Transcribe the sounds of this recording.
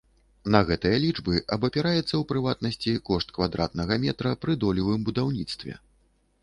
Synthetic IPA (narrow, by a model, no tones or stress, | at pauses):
nɐɣɛt̪ɨjɐlʲid͡ʐbɨʔɐbɐpʲɛɾajɛt̪sːɐwpɾɨvat̪̚nɐsʲt͡sʲikɔʂt̪̚kvad̪ɾa̰t̪̚nɐɣɐmʲɛt̪ɾɐpɾɨd̪ɔlʲivɨmbud̪awnʲit̪st̪vʲɛ̰